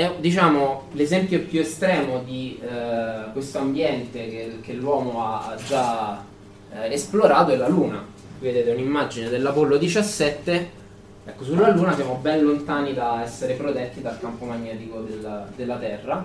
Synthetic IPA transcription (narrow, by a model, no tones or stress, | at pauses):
ɛd̪it͡ʃaːmolezɛmpjopjuest̪ɾɛːmod̪i | kwest̪oambjɛnt̪ekek̟elːwɔːmoaad͡ʒːa | esploɾaːt̪oɛlːaluːna | ved̪eːt̪ɛunimːad͡ʒined̪elːapolːod̪it͡ʃasːɛt̪ːe | ɛkːosulːaluːnasjaːmobɛnlont̪aːnid̪aɛsːeɾepɾot̪ɛt̪ːid̪alkampomaɲːɛːt̪ikod̪eld̪elːat̪ɛrːa